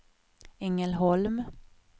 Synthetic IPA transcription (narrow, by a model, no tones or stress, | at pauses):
ɛŋəlɦɔlm